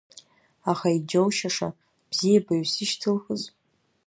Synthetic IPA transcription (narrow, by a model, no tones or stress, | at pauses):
aχaid͡ʒowʃaʂa̰ | b̥zijabaɥsɨʃtʰɨlxəz